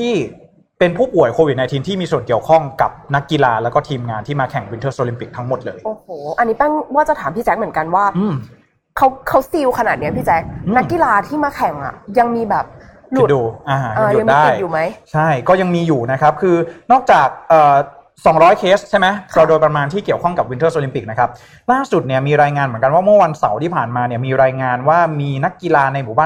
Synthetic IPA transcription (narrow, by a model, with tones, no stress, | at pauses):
t̪ʰiː˥˩ | pe˧npʰuː˥˩pu˨˩ə˦jkʰoː˧wi˨˩t̪̚na˧jt̪ʰiː˧mt̪ʰiː˥˩miː˧su˨˩ənki˨˩əwkʰɔ˥˩ŋka˨˩p̚na˦˥kːi˧laː˧lɛː˦˥wkɔː˥˩t̪ʰiː˧mŋaː˧nt̪ʰiː˥˩maː˧kʰɛ˨˩˦ŋwi˧˦nt̪ʰɤː˥˩sʔoː˧li˧mpi˨˩k̚t̪ʰa˦˥ŋmo˨˩t̪̚lɤː˧jʔoː˧˩hoː˩˦ʔa˧ni˦˥t̪a˥˩ŋwaː˥˩t͡ɕa˨˩t̪ʰaː˩˦mpʰiː˥˩t͡ɕɛ˦˥k̚mɯ˩˦ə˦nka˧nwaː˥˩ʔɯː˧m | kʰa˦˥wkʰa˦˥wsi˧wkʰa˧naː˨˩ni˦˥ɐpʰiː˥˩t͡ɕɛː˦˥k̚ɯna˦˥˩kːi˨laː˧t̪ʰiː˥˩maː˧kʰɛ˨˩˦ŋʔa̰˨˩ja˧ŋmiː˧bɛː˨˩p̚ | lu˧˨˩duː˧˩ʔaː˧˩ʔaː˧˨˧ŋdaː˧˥˩jjuː˨˩ma˦˥jt͡ɕʰa˥˩jkɔː˥˩ja˧ŋmiː˧juː˨˩na˦˥kʰa˦˥p̚kʰɯː˧nɔː˥˩k̚t͡ɕaː˨˩k̚ʔɤː˨˩ | sɔː˨˩˦ŋɾɔː˦˥jkʰeː˦˥st̚t͡ɕʰa˥˩jma˦˥jɾa˧doː˧jpɾa˧maː˧nt̪ʰiː˥˩ki˨˩əwkʰɔ˥˩ŋka˨˩p̚wi˧nt̪ɤː˥˩sʔoː˧li˧mpi˨˩k̚na˦˥kʰa˦˥p̚ | laː˥˩su˨˩t̪̚ni˥˩əmiː˧ɾaː˧jŋaː˧nmɯ˩˦ka˧nwaː˥˩mɯ˥˩ɐwa˧nsa˩˦wt̪ʰiː˥˩pʰaː˨˩nmaː˧ni˦˥ɐmiː˧ɾaː˧jŋaː˧nwaː˥˩miː˧na˦˥kːi˧laː˧na˧jmuː˨˩˦baː˥˩